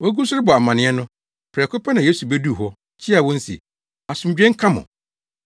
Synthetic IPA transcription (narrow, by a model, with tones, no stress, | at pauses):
wɔ˦ɡu˦sʊ˦ɾɪ˦bɔ˨a˨mã˨nɪ̃˦ɛ˦nʊ̃˦ | pʰɾɛ˨kʰʊ˦pʰa˦nã˨je˦su˨bɛ˦du˦˨ɦɔ˦ | t͡ɕʰi˦a˨wɔ̃˦n̩˦sḭ˨ | a˨sʊ̃˨m˨d͡ʑᶣɛ̃˦ŋ̩˦kʰã˦mʊ̰̃˨